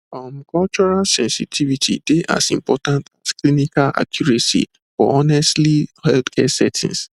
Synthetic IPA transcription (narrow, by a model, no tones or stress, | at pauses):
amkʰɔlt͡ʃɔɹalsɛ̃nsitʰivitʰḭdeʔa̰sĩmpɔtãntasklinikala̰kʰjuɹasḭ | fɔ̰ɔnɛstlihɛltkʰɛsɛtʰḭ̃ŋs